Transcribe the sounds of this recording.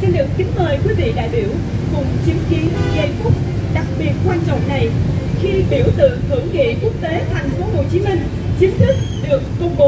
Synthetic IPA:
se˧nɗɨ˨˩ək̚t̪ï˨˦ŋ̟məː˨˩jkwi˨˦vḭ˧˨ɗa̰ː˧˨jɓi˧˩əw | kʊ˨˩ŋ͡mt͡ɕi˨˦əŋki˨˦ənɣə˧jku˦˥p̚ | ɗa˨˩k̚ɓi˨˩ət̚kwaː˧nt͡ɕɔ̰˧˨wŋ͡mna˨˩jxi˧ɓi˧˩əwt̪ɨ̰˧˨ŋhɨ˧˩əŋkḭ˧˨ku˦˥ək̚t̪e˨˦t̪ʰa˨˩jŋ̟fo˨˦ɦo̰˧˨t͡ɕi˨˦mï˧ŋ̟ | t͡ɕi˨˦əŋt̪ʰɨ˦˥k̚ɗɨ˨˩əkːʊ˧wŋ͡mɓo˨˦

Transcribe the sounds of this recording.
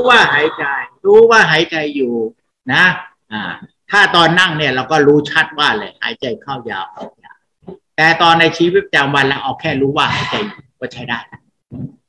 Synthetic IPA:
uː˦˥waː˥˩ɦaː˨˩˦jt͡ɕa˧jɾuː˦˥waː˥˩ɦaː˨˦jt͡ɕa˧jːuː˨˩ | na˦˥ | ʔaː˨˩t̪ʰaː˥˩t̪ɔː˧nːa˥˩ŋni˥˩ɐɾa˧wkɔː˥˩ɾuː˦˥t͡ɕʰa˦˥t̪̚waː˥˩lɤː˧˩jha̰ː˨˩˦jt͡ɕa˧jkʰa˥˩wja̰ː˧wkʰa˧˩ja̰ː˧˩ | t̪ɛː˨˩t̪ɔː˧nːa˧jt͡ɕʰiː˧˦wi˦˥˩t͡ɕaː˨˧mwa˧nla˦˥˩ʔɔː˨˩kʰːɛː˥˩ɾuː˦˥waː˥˩ha̰ː˩˦jt͡ɕa˧jːuː˨˩kɔː˥˩t͡ɕʰa˦˥˩jdaː˥˩jna˦˥˩

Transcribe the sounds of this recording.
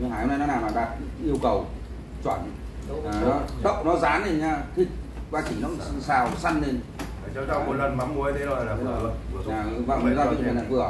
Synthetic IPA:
haː˧˩jhə˧na˧nɔ˨˦naː˨˩maː˨˩ɗaː˨˩t̚ʔi˧əwkə˨˩w | t͡ɕwaː˧˩nː˨˩ | nɔ˨˦ɗə̰˧˨wnɔ˨˦zaː˨˦ne˧˩nɲaː˧t̪ʰi˨˩k̚vaː˧˩t͡ɕï˧˩ŋnɔ˨˦˧saː˨˩wsa˧nːe˧˩nː˨˩ | t͡ɕɔ˧˦t͡ɕa˧wmo˨˩lə˨˩nma˨˦mmu˨˩əə˧t̪ʰe˨˦o˨˧˩la˨˧˦ɲaː˨˩˨va̰˧˨˧zaː˧ḭ˧˨˩na˨˩vɨ˨˩ə

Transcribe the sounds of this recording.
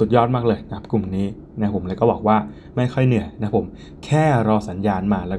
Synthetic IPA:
u˨˩t̪̚jɔː˥˩t̪̚maː˥˩k̚lɤː˧ja˦kʰa˥p̚ku˨˩mniː˦˥ | na˦˥pʰo˩˦mlaː˧kɔː˥˩bɔː˨˩k̚waː˥˩ | ma˥˩jkʰɔ˥˩jnɯ˨˩əjna˦˥pʰo˩˦m | kʰɛː˥˩ɾɔː˧sa˩˦njaː˧nmaː˧lɛː˦˥

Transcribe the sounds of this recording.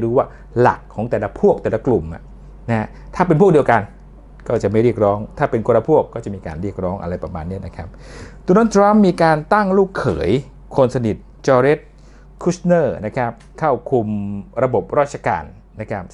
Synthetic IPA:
ɾuː˦˥waː˥˩ | la̰˨˩kʰːɔː˩˦ŋt̪ɛː˨˩la˦˥pʰu˥˩ək̚t̪ɛː˨˩la˧klu˨˩ma̰˨˩ | na˦˥ha˦˥ | t̪ʰaː˥˩p̬e˧npʰu˥˩k̚di˧əwka˧n | kɔː˥˩t͡ɕa˨˩ʔma˥˩jɾi˥˩ək̚ɾɔː˦˥ŋt̪ʰaː˥˩pe˧nkʰoː˧ɾa˧pʰu˥˩əkːɔː˥˩t͡ɕa˨˩miː˧ka̰ː˧nɾi˥˩ək̚ɾɔː˦˥ŋʔa̰˧ɾa˧jpɾa˧maː˧nːi˥˩na˦kʰa˦˥p̚d̪o˧noː˧˥t̪ʰɾa˦˥mːiː˧kaː˧nt̪a˥˩ŋluː˥˩kʰːɤ̰ː˩˦j | kʰo˧nsa˧ni˨˩t̪̚t͡ɕɔː˧ɾe˦˥t̪̚ | kʰu˦˥snɤː˥˩na˦˥kʰa˦˥p̚kʰa˥˩wkʰu˧mɾa˧bo˨˩p̚ɾɔː˥˩t͡ɕʰa˧ka̰ː˧nː | a˦˥kʰa˦˥p̚

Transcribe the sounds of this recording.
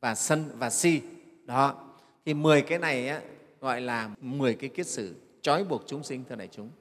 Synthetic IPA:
vaː˨˩sə˧nvaː˨˩si˧ | ɗɔ˨˦ | t̪ʰi˨˩mɨ˨˩əjkaː˨˦jna˨˩jʔaː˨˦ | ɣɔ̰˧˨jlaː˨˩mɨ˨˩əjkaː˨˦jki˦˥ət̚sɨ˧˩ | t͡ɕɔ˨˦jɓu˨˩ək̚t͡ɕʊ˨˦ŋ͡msï˧ŋ̟t̪ʰɨ˧na̰˨˧˩t͡ɕʊ˨˦ŋ͡m

